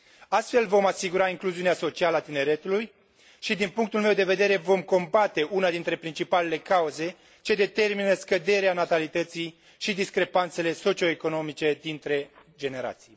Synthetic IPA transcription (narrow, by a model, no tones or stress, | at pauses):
ast̪fe̞lvo̞masiɡuɾaiŋkluziuneaso̞t͡ʃialəat̪ine̞ɾe̞t̪uluj | ʃid̪inpuŋk̚t̪ulme̞wd̪e̞ve̞d̪e̞ɾe̞vo̞mko̞mbat̪e̞ʔunad̪int̪ɾe̞pɾint͡ʃipale̞le̞kauze̞ | t͡ʃe̞d̪e̞t̪e̞rminəskəd̪e̞ɾeanat̪alit̪ət̪sij | ʃid̪iskɾe̞pant̪sele̞so̞t͡ʃio̞eko̞no̞mit͡ʃe̞d̪int̪ɾe̞d͡ʒe̞ne̞ɾa̰t̪sij